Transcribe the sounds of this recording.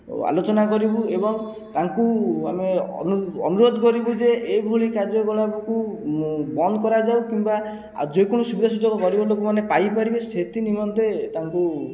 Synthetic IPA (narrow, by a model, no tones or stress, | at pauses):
a̰lot͡ʃɔnakɔɾibuebɔŋ | t̪aŋkuamḛnuɔ̰nuɾod̪ʱɔkɔɾibud͡ʒeʔːbʱoɭikaɾd͡ʒɔɡɔɭabɔku | bɔnd̪ɔkɔɾad͡ʒaukimba | d͡ʒojkɔɽ̃ɔsubid̪ʱasud͡ʒɔɡɔkɔɾibɔlokɔmanepajpaɾibeset̪inimɔnt̪et̪aŋku